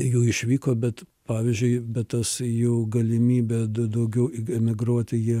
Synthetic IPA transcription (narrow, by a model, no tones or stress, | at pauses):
juːɪʃʲʋʲiːkoːbʲɛt̪pɑːʋʲɪzʲd͡ʒʲʊɪbʲɛtt̪ɐsjuːɡɐlʲɪmʲiːbʲɛd̪ɐd̪ɐʊɡʲɛʊɪɛmʲɪɡɾuɔt̪ʲɪjiɛ